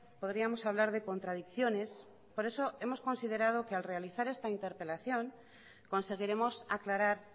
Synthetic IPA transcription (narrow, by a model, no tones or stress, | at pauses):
po̞ðɾiamo̞saβ̞laɾðe̞ko̞nt̪ɾað̞ikθjo̞ne̞s | po̞ɾe̞so̞e̞mo̞sko̞nsið̞e̞ɾað̞o̞kealre̞aliθaɾe̞st̪aint̪e̞ɾpe̞laθjo̞ŋ | ko̞nse̞ɣ̞iɾe̞mo̞sa̰klaɾaɾ